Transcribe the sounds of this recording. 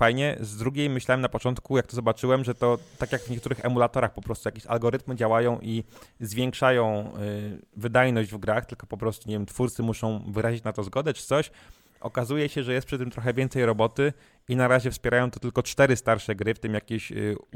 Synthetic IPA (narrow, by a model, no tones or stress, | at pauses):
fajɲɛ̰zd̪ɾuɡʲejmɘɕlawɛmnapɔt͡ʂɔnt̪kujakt̪ɔzɔbat͡ʂɘwɛmʐɛt̪ɔt̪akʲjaɡvɲɛkt̪uɾɘxɛmulat̪ɔɾaxpɔpɾɔst̪ujakʲeɕa̰lɡɔɾɘt̪mɘd͡ʑawajɔ̃w̃ʔizvʲjɛŋkʂajɔ̃w̃ | vɘd̪ajnɔʑd͡ʑvɡɾaxt̪ɘlkɔ̥pɔpɾɔst̪uɲevjɛmt̪fuɾt̪sɘmuʂɔ̃w̃vɘɾaʑit͡ɕnat̪ɔzɡɔd̪ɛt͡ʂɘ̥t̪sɔɕ | ʔɔ̰kazujɛɕɛʐɛjɛst̪pʂɘt̪ɘmt̪ɾɔxɛvʲjɛnt̪sɛjɾɔbɔt̪ɘ | inaɾaʑɛfspʲjɛɾajɔ̃w̃t̪ɔt̪ɘlkɔt͡ʂt̪ɛɾɘst̪aɾʂɛɡɾɘft̪ɘmjakʲeɕ